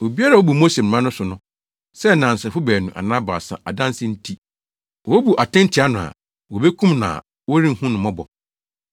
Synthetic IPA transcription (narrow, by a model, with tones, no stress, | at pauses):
o˨bi˦a˦ɾa˨wo˦bu˨mo˦se˨m̩˨mã˦nʊ̃˦sʊ˨nʊ̃˦ | sɛ˦nã˨n̩˨sɛ˨fʊ˦bæː˨nũ˨ʔa̰˨nã˦ba˨sa̰˨ʔa˨dã˦n˦sɪ̃˦n̩˦tʰi˦ | wɔ˨˦bu˨ʔa˨tʰɪ̃˦n˦tʰɪ˨a˦nʊ̃˨a̰˨ | wo˨be˦kʰũ˦mnã̰˨ | wo˦ɾĩ˦ŋ˨hũ˦nʊ̃˨mɔ̃˦bɔ˨